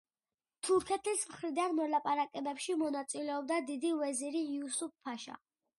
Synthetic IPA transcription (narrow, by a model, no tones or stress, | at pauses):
t̪ʰuɾkʰɛt̪ʰismχɾid̪anmɔlapʼaɾakʼɛbɛpʃimɔnat̪sʼilɛɔb̚d̪ad̪id̪iwɛziɾiːusupʰːaʃa̰